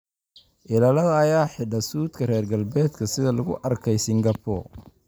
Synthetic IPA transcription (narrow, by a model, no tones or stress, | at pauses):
ʔɪlɐlɐðɐːjaːħɪɖɐsuːd̪kʰɐrɛːrɡɐlbɛːd̪kʰɐsɪðɐlʊɣʊ̰ʔɐrkʰɛjsɪŋɡɐpʰɔ̰